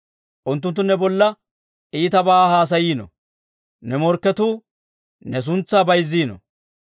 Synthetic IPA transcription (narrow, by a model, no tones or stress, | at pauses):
ʔʊnt̪ːʊnt̪ːʊnɛbɔlːɐ | ʔiːt̪ɐbaːhaːs̬ɐjiːnɔ̰ | nɛmɔɾkːɛt̪uː | nɛs̬ʊnt͡sːaːbɐjzːiːnɔ̰